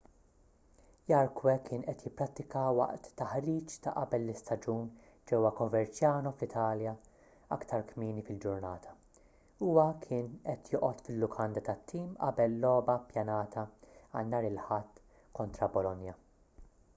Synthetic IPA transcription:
jɐɾkwɛkʰɪːnʔɛt̪jɪpːɾɐt̪ːɪkɐwɐ̰ʔt̪ːɐħɾiːt͡ʃt̪ɐ̰ʔɐbɛlːɪst̪ɐd͡ʒuːn | d͡ʒɛwːɐkɔvɛɾt͡ʃjɐːnɔflɪt̪ʰɐːljɐ | ɐkt̪ʰɐɾkmiːnifɪld͡ʒʊɾnɐːt̪ʰɐ | uːwɐkʰɪːnʔɛt̪jɔːʔɔt̪fɪlːʊkʰɐnd̪ɐt̪ɐt̪ʰːiːmʔɐ̰bɛlːɔːbɐpjɐnɐːt̪ʰɐɐ̰lnɐːɾɪlħɐt̪ː | kɔnt̪ɾɐbɔlɔnjɐ

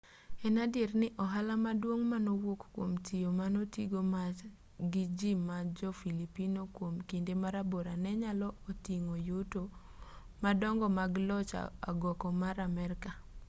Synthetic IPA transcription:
ɛnadɪrnɪʔɔɦalamadwoŋmanowokkwomtʰijomanotiɡoma | ɡɪd͡ʒimad͡ʒɔfilipinokwomkindemaɾaboɾanɛɲalɔotiŋojoto | madɔŋɡɔmaɡlɔt͡ʃa̰a̰ɡɔkɔmaɾamɛɾka

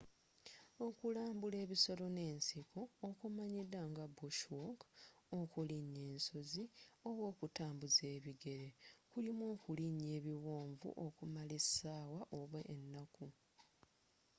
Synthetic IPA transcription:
o̞kulaːmbule̞ːβiso̞lo̞ne̞ːnsikʰoːkumaɲidːaŋɡabuʃwoko̞kuliɲe̞ːnso̞zioβwo̞ːkutaːmbuze̞ːβiɡe̞ɾe̞kulimwo̞ːkuliɲe̞ːβiwo̞ːɱvṵʔo̞kumalesaːwaʔo̞βweʔːnːaku

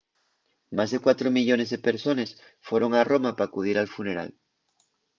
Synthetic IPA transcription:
mazðe̞kwat̪ɾo̞miʎo̞ne̞zðepe̞ɾso̞nes | fwe̞ɾo̞ŋaro̞mapaːkuð̞iɾalfune̞ɾa̰l

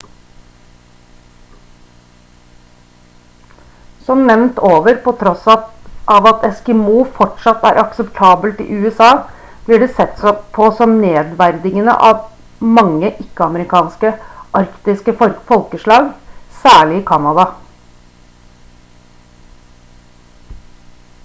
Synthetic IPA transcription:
sɔmnɛʋnt̪oːʋəɾpʰɔt̪ʰɾɔsʔɑʋɑt̪ʰɛskɛmuːfɔʈʂɑt̪ːæ̰ːɾʔɑksəpt̪ʰɑːbəlt̪ɪ̰ʔʉːɛsɑː | b̥lɪɖɛsɛt̪ːspʰɔsɔmneːd̪ʋæɾd̪ɪŋənə̰ʔɑ̰ʋ | mɑŋːəʔɪkːəɑməɾɪkʰɑːnskəʔɑɾkt̪ɪskəfɾfɔlkəʂɭɑːɡsæːɭɪɪkʰɑnɑd̪ɑ

